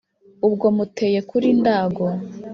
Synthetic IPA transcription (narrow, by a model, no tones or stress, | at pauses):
ub̚ɡo̞mute̞ːje̞kuɾindaːɡo